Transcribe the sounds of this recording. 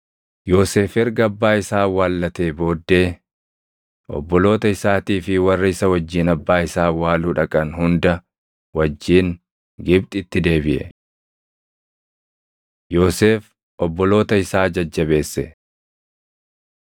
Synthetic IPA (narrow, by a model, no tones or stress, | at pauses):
jo̞ːse̞ːfɛɾɡɐbːaːɪsaːwaːlːɐt̪e̞ːbo̞ːd̪ːe̞ː | ɔ̰bːɔlo̞ːt̪ɐɪsaːt̪iːfɪwɐrːɪɪsɐwɐd͡ʒːiːnɐbːaːɪsaːwaːluːᶑɐkʼɐnhʊnd̪ɐ | wɐd͡ʒːiːŋ | ɡɪb̚t̪ʼɪt̪ːɪd̪e̞ːbɪʔɛ̰ | jo̞ːse̞ːf | ʔɔbːɔlo̞ːt̪ɐɪsaːd͡ʒɐd͡ʒːɐβe̞ːsːɛ